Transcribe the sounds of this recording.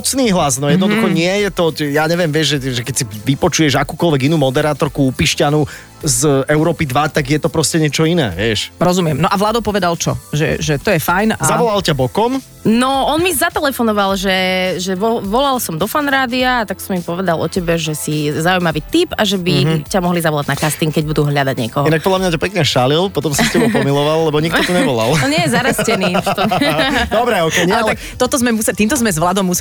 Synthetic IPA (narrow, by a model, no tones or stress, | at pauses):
mɔt͡sniːɦlaznɔjɛd̪nɔdd̪uxɔɲɪɛjɛt̪ɔɛjaːɲɛʋɪɛmʋɪɛʒʒɛʒɛkɛcsiʋipɔt͡ʃujɛʒakuːkɔlʋɛɡinuːmɔd̪ɛɾaːt̪ɔɾkuupiʃcanu | zɛʊɾɔːpid̪ʋat̪aɡjɛt̪ɔpɾɔscɛɲɪɛt͡ʃɔinɛ̰ːʋɪɛʃɾɔzumɪɛmnɔʔaʋlaːd̪ɔpɔʋɛd̪alt͡ʃɔ̰ʒɛ̰ʒɛt̪ɔjɛfajnazaʋɔlalcabɔkɔm | nɔɔnmizat̪ɛlɛfɔnɔʋalʒɛʒɛʋɔʋɔlalsɔmd̪ɔfanɾaːd̪iaːt̪aksɔmipɔʋɛd̪alɔ̰cɛbɛʒɛsizaujmaʋiːt̪ipaʒɛbicamɔɦlizaʋɔlaɟnakast̪iŋkɛɟ̚bud̪uɦlʎad̪aɟɲɪɛ̰kɔɦɔinak̚pɔd̪lamɲat̪apɛkɲɛʃalilpɔt̪ɔmsiscɛbɛpɔmilɔʋalːɛbɔɲik̪̚ɔt̪uɲɛʋɔla̰lˠɔnɛjɛzaɾascɛniːft̪ɔd̪ɔbɾɛɔkɛalɛt̪akt̪ɔt̪ɔzmɛmusɛt̪iːmt̪ɔzmɛzʋlad̪ɔmːus